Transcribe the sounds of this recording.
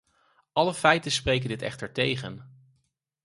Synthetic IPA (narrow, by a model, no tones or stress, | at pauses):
ʔɑləfɛjtənsprejk̬əndɪtɛ̰χtəɹtejχən